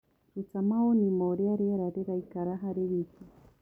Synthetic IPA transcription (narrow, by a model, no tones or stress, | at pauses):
ɾut͡samaonimoɾeaɾeɾaɾeɾaikaɾaɦaɾeβiki